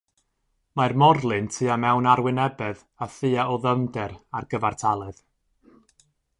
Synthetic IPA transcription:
marmɔrlˠɨntʰɨːamɛwnaɾwɪnɛbɛð | aθɨaɔðəmdɛɾarɡəvartʰalˠɨð̥

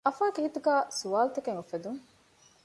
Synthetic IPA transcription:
ʔɐfaːkeɦit̪uɡaːsuʋaːlt̪ekeŋofed̪uŋ

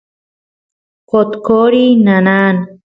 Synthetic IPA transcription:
qot̪koɾinanaːn

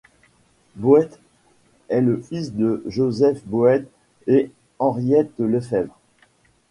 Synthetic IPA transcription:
boɛt̪ | ɛləfis̬d̪əʒozɛfboɛt̪ | e | ɑ̃ʁjɛt̪ələfɛvʁ

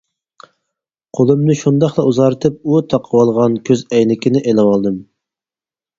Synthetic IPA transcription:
qʰolˠɨmnɨʃund̪ɑχlˠɑuzɑɾɨt̪ʰɨp̚ut̪ʰɑqʰəwɑlˠʁɑnkʲʰøzɛjnɪkʲinɪʔelɪwɑlˠd̪ɨm

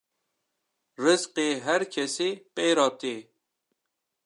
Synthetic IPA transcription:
rɨzqeːɦæɾkʰɛsiːpeːɾɑːt̪iː

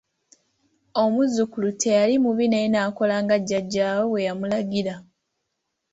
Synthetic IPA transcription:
o̞muzukulutʰe̞jalimuβineinaːko̞laːŋɡaɟːaɟːaːwowe̞jamulaɡiɾa

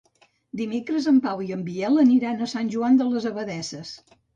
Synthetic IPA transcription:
d̪imekɾəzəmpawiəmbiɛlˠəniɾanəsanʲʒuand̪ələzəβəðɛsəs

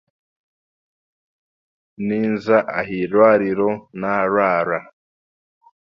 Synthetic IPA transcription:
niːnzaʔaɦiɾwaːɾiɾonaɾwaːɾa

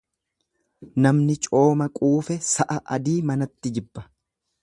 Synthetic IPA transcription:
nɐmnɪt͡ʃʼo̞ːmɐkʼuːfɛsɐʔɐʔɐd̪iːmɐnɐt̪ːɪd͡ʒɪbːɐ̥

